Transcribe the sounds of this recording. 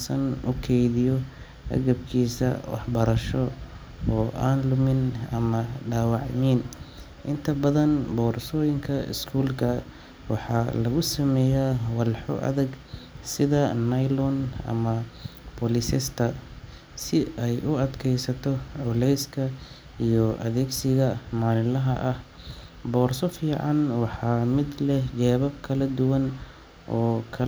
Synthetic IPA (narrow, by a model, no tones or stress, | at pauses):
sɐnʊkʰɛjðɪjɔ | ʔɐ̰ɣɐbkʰiːsɐ̰wɑ̰ħbɐɾɐʃɔ | ɔːʔaːnlʊmɪnɐ̰mɐɖaːwɑʕmɪn | ʔɪnt̪ʰɐbɐðɐnbɔːrsɔːjɪŋkʰɐɪ̰skʰuːlkʰɐ | wɑħɑːlɐɣʊsɐmɛːjawɑlħɔ̰ʔɐ̰ðɐɡsɪðɐnɐjlɔnɐ̰mɐpʰɔlɪsɪst̪ʰɐ | sɪɛjʔʊɐd̪kʰɛjsɐt̪ʰɔʕʊlɛjskʰɐ | ijɔʔɐ̰ðɛːɡsɪɣɐmaːnɪlɐɦɐ̰ʔɐh | bɔːrsɔfiːʕɑnwɑħɑːmɪd̪lɛht͡ʃɛːβɐb̚kʰɐlɐd̪ʊwɐn | ʔɔːkʰɐ